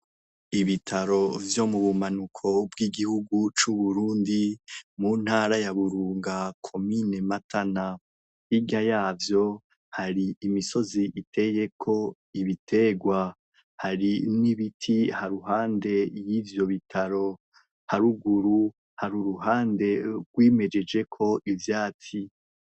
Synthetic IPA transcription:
iβitʰaɾo̞vjo̞muβumanukʰo̞bɡwiːɡihuɡut͡ʃuβuɾuːndimuːn̥haːɾajaβuɾuːŋɡakʰo̞mine̞matʰana | hiɡajaːvjo̞ | haɾiimiso̞ziʔitʰe̞ːje̞kʰo̞ | iβitʰe̞ɡwa | haɾiniβitʰihaɾuɦaːnde̞jiːvjo̞βitʰaɾo̞ | haɾuɡuɾu | haɾuɾuɦaːnde̞ɡwiːme̞d͡ʒe̞d͡ʒe̞kʰo̞ʔivjaːt͡si

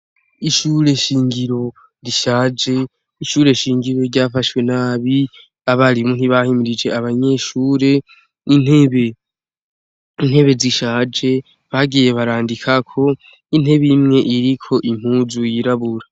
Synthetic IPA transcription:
iʃuɾe̞ʃiːŋɡiɾo̞ | ɾiʃaːd͡ʒe̞ | iʃuːɾe̞ʃiːŋɡiɾo̞ɾɟaːfaʃwe̞naːβi | aβaɾimun̥iβahimiɾid͡ʒe̞aβaɲe̞ʃuːɾe̞ | in̥heβe | in̥he̞βe̞ziʃaːd͡ʒe̞ | βaɡije̞βaɾaːndikʰakʰo̞ | in̥he̞βimŋe̞ʔiɾikʰo̞ʔim̥huːzujiɾaβuɾa

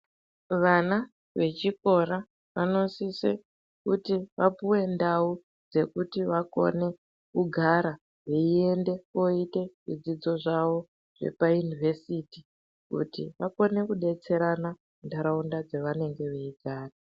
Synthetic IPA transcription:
ʋana | ʋe̞t͡ʃiko̞ɾa | ʋano̞sisḛ | kutiʋapuwe̞ndau | d͡ze̞kutiʋako̞̰ne̞ | kuɡʱaɾa | ɦeie̞nde̞ko̞ite̞ʐid͡zid͡zo̞ʐawo̞ | ʐ̥e̞̰pajunivʱe̞siti | kṵtḭʋako̞ne̞kuɗe̞t͡se̞ɾana | ndaɾaundad͡zeʋane̞ŋɡe̞ʋeiɡʱaːra

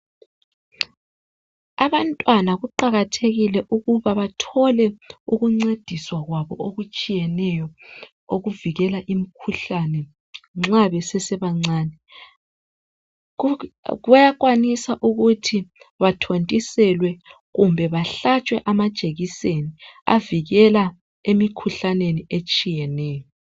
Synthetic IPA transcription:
aβantʼwanaɣuǃaɣatʰeɣilɛʔuɣuβaβatʰɔlɛuɣuŋ͡ǀed̥ʱiswaɣwaβɔoɣut͡ʃʼijɛnɛjɔ | oɣuviɣɛlaʔimikʰuɬanɛ | ŋ͡ǁaβɛsɛsɛβaŋ͡ǀaːnɛ | ɣajaɣwanisaʔuɣutʰiβatʰontʼisɛlwɛ | ɣumbʱɛβaɬat͡ʃʼwɛʔamad̥t͡ʃʼeɣisenia̰viɣɛla | emikʰuɬaneniet͡ʃʼijɛnɛːjɔ

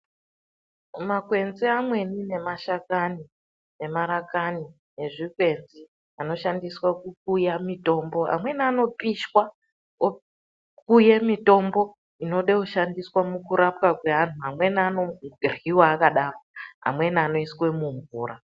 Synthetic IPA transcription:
makwe̞nziamwe̞nine̞maʃakani | ne̞maɾakani | ne̞ʐikwe̞nzi | ano̞ʃandiswakuk̚ujamito̞ːmbo̞a̰mwe̞niano̞piʃwa | o | kujemito̞mbo̞ | ino̞ɗeuʃandiswamukuɾapkakwe̞ɦan̤uɦamwe̞nanoriwaːkaɗaːroa̰mwe̞niano̞iswe̞muɱvuːra

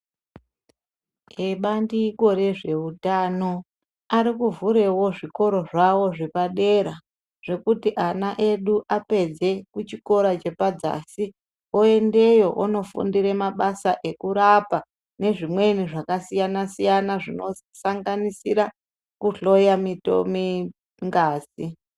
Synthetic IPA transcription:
eɓandiko̞ɾe̞ʐe̞utano̞ | aɾikuvuɾe̞wo̞ʐiko̞ɾo̞ʐawo̞ʐipaɗe̞ɾa | ʐ̥e̞kutiʔanaʔe̞ɗuʔape̞d͡ze̞kut͡ʃiko̞ɾat͡ʃe̞pad͡za̰si | oe̞nde̞jo̞ʔono̞fṵndiɾe̞maɓasaʔe̞kuɾapa | ne̞ʐimwe̞niʐakasijanasijanaʐino̞ | saŋɡanisiɾa | kuɬo̞jamito̰mi | ŋɡaːzi

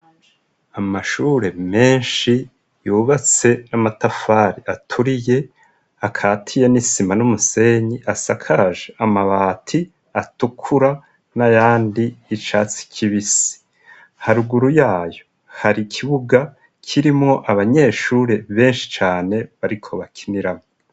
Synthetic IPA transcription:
amaʃuːɾe̞me̞ːnʃi | juːβat͡se̞namatafaːɾiatʰuɾije̞ | akʰaːtʰije̞nisimanumuse̞ɲiʔasakʰaɾaʒeamaβaːtʰi | atukʰuɾa | najaːndiːt͡ʃaːt͡si̥kʰiβisi̥ | haɾuɡuɾujaːjo | haɾikʰiβuɡa | kʰiɾimŋo̞ʔaβaɲe̞ʃuːɾe̞βe̞ːnʃi̥t͡ʃaːne̞βaɾikʰo̞βakʰiniɾamŋo

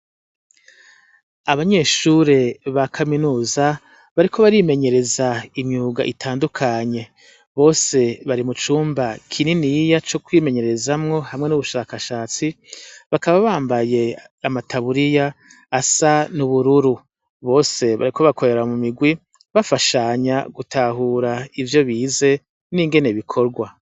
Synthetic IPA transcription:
aβaɲe̞ːʃuɾe̞βakʰaminuːza | βaɾikʰo̞βaɾime̞ɲe̞ɾe̞zaimɲuːɡaʔitʰaːndukʰaɲe̞ | βo̞ːse̞βaɾimut͡ʃuːmbakʰininijat͡ʃo̞kwiːme̞ɲe̞ɾe̞zamŋo̞hamŋenuβuʃaːkaʃaːt͡siβakaβaβaːmbaje̞ | amatʰaβuɾijaː | sanuβuɾuɾu | βo̞ːse̞βa̰ɾikʰo̞βakʰo̞ɾe̞ɾamumiɡwi | βafaʃaɲaɡutʰaɦuːɾaivjo̞βiːze̞ | niːŋɡe̞ne̞βikʰo̞ɾɡwa

